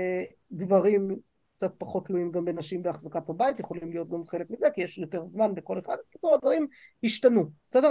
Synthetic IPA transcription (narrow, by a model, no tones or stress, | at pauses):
e | ɡvaʁim | kt͡sat̚paχo̞tluimɡambenaʃimbeaχzakathabaitjeχo̞limlijo̞t̚ɡamχe̞lekmizekijeʃjo̞te̞ʁzmanbeko̞le̞χad̪vki̥t͡suʁadvaʁimhiʃtanusɛde